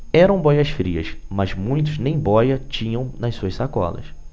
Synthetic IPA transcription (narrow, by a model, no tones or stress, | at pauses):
ɛɾɐ̃w̃bɔjɐsfɾiɐ̰smɐzmũj̃t̪̬ʊznẽj̃bɔjɐt͡ʃĩɲɐ̃w̃nɐssuɐssakɔ̰lɐ̰s